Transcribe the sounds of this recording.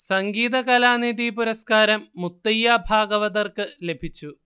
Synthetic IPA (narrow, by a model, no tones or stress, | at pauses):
sɐŋɡiːðɐkɐlaːniðipuɾɐskaːɾɐmːut̪ːɐjːabʱaːɡɐʋɐðɐrkɨle̞bʱit͡ɕːu